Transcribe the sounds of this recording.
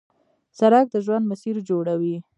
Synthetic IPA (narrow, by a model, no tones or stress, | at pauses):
saɾak̚d̪əʒwand̪masiɾd͡ʒoɽawi